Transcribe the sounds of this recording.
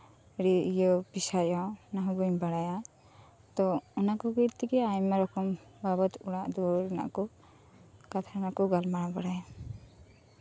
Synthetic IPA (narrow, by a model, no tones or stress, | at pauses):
ɾijɔpisajɔnaɦubɔɲbaɽaja | t̪ɔunakɔɡiɾt̪iɡɛajmaɾɔkɔmbabɔt̪uɽaʔd̪uɾna̰ʔkɔ | kat̪ʰaɾnakɔɡalmaɽ̃abaɽaja